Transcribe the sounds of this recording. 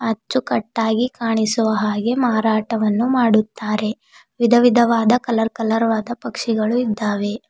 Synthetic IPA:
ɐt͡ʃːukɐʈːaːɡikaːɳisuʋɐɦaːɡe̞maːɾaːʈɐʋɐnːumaːɽut̪ːaːɾe̞ | ʋid̪ʱɐʋid̪ʱɐʋaːd̪ɐkɐlɐɾkɐlɐɾɐʋaːd̪ɐpɐkʂiɡɐɭuid̪ːaːʋe̞

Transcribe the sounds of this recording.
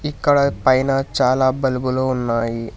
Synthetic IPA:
ikːaɭapajnat͡ɕalabəlbəlonːaɦi

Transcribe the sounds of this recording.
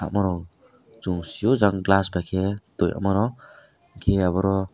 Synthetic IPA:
amɔɾɔw | t͡ʃuŋsijɔzaŋɡlasbakʰed̪̥ɔjʔa̰mɔɾɔ | ɡeaβɔɾɔ

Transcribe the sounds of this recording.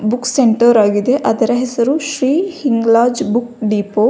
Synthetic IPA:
bukseɳʈɐɾaːɡid̪e̞ʔɐd̪ɐɾɐɦesɐɾuʃɾiːhiŋɡlaːd͡ʒbukɖiːpoː

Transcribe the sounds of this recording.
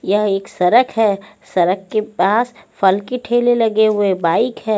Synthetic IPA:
jɐɦeːksɐɾəkʰɦɛːsɐɾəkːepaːsfɐlkiʈʰeːlelɐɡeɦuebaːɪkɦɛː

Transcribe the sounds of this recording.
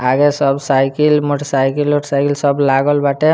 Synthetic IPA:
aɡesɔbsajkilmoʈɔsajkilmoʈɔsajkilsɔblaɡɔlbaʈe

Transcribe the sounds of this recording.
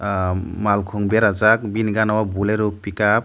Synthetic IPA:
malkʰɔŋbeɾazak̚binɡanawabuleɾupikap̚

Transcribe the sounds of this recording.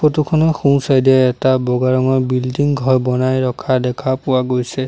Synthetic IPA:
xotukʰɔnɔxũw̃sajdɛɛtabɔɡaɹɔŋɔɹbildiŋɡʱɔjbɔnajɹɔkʰadɛkʰapʊwaɡojsɛ

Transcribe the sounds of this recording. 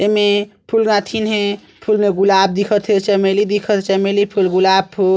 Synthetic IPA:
emepʰulɡãt̪ʰinɦẽ | pʰulmeɡulab̚d̪ikʰət̪ʰet͡ʃəmelid̪ikʰət̪t͡ʃəmelipʰulɡulab̚pʰul

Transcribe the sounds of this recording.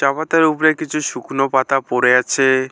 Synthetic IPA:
t͡ʃapat̪aɾupɾekit͡ɕʰuʃukʰnopat̪apoɾeat͡ɕʰe

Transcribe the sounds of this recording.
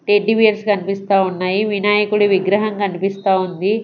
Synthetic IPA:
ʈeɖːiʋijɐɾskɐnipist̪aːunːaːjiʋinaːjɐkuɽuʋiɡɾɐɦɐŋkɐnipist̪aːund̪i

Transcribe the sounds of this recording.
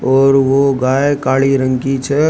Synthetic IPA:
ɔːɾʋoɡaːekaːɭiɾə̃ŋkit͡ʃʰɛ

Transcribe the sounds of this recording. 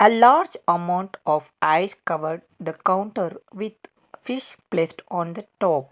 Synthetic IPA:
əlaːɾd͡ʒɐmãʊ̃ɳʈɔːʋaɪskʌʋəɾɖd̪əkãʊ̃ɳʈəɾʋɪd̪ | fɪʃplesʈɔ̃ːnd̪əʈɔːp̚

